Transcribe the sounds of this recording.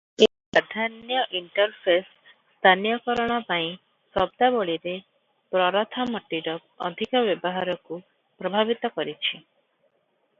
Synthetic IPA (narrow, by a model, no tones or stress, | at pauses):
epɾad̪ʱanjɔʔiɳʈɔɾpʰes | st̪ʰanjɔkɔɾɔɽ̃ɔpaĩ | sɔbd̪aboɭiɾe | pɾɔɾɔt̪ʰamɔʈːiɖɔkɔ̰d̪ʱikɔbjɔbɔɦaɾɔku | pɾɔbʱabit̪ɔkɔɾit͡ʃʰi